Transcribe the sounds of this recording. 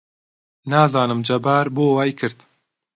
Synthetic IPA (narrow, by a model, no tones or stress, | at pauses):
naːzɑːnɨmd͡ʒɐbaːɾboːwaːjkʰɨɾd̪